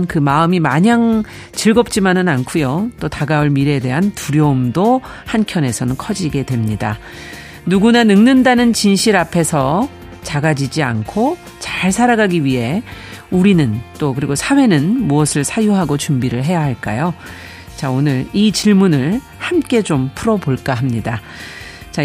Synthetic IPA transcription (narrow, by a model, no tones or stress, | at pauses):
nkɯmaɯmimaɲaŋ | t͡ɕiɭɡʌp̚t͡ɕ͈imanɯnankʰujot͈otaɡaɯɭmiɾe̞de̞ɦantuɾjomdo | hankʰjʌne̞sʰʌnɯnkʰʌd͡ʑiɡe̞dwe̞mɲida̰ | nuɡunanɯŋnɯndanɯnt͡ɕinɕʰiɾapʰe̞sʰʌ | t͡ɕaɡad͡ʑid͡ʑia̰nkʰo | t͡ɕaɭsʰaɾaɡaɡiɥiɦe̞uɾinɯnt͈okɯɾiɡosʰawe̞nɯnmuʌsʰɯɭsʰajuɦaɡot͡ɕumbiɾɯɭɦe̞jaɦaɭk͈a̰jo | t͡ɕaonɯɭit͡ɕiɭmunɯɭ | hamk͈e̞t͡ɕompʰuɾʌpoɭk͈aɦamɲida | t͡ɕa